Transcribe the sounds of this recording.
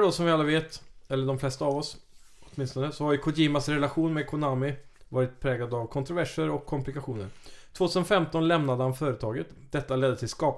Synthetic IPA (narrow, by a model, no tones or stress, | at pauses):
ɖɔsɔmvɪalːaveːt̪ɛlːəɖɔmflɛst̪aːvɔs | ɔt̪mɪnst̪ɔnəsɔhaɾjʏkʰʊdiːmasɾɛlaɧuːnmɛkʰʊnaːmɪvɑːɾɪt̪̚pʰɾɛːɡlad̪avkʰɔnt̪ɾʊvæʂəɾɔkʰːɔmplɪkaɧuːnə̰ɾt̪ʰv̥oːt̪ʰʉːsənfɛmt̪ɔnlɛmnad̪əhanfœːɾət̪ʰɑːɡət̪d̪̥ɛt̪ːalɛd̪ːət̪ʰɪlskɑːp